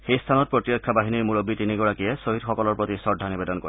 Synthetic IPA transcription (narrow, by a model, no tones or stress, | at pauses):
xejst̪ʰanɔt̪̚pɹɔt̪jɔkʰːabaɦiniɹmuɹobit̪iniɡɔɽakiesoɦid̪xɔkɔlɔɹpɹot̪isɔdʱanibed̪ɔnkɔɾɛ